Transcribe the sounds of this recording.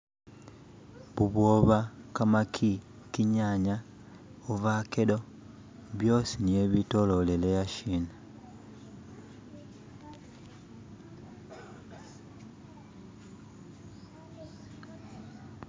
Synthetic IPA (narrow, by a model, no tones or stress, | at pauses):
βuβwoβakamakʰi | kiɲaɲa | oβakelo̞ | βjo̞ːsinie̞βito̞lo̞lelejaʃiːna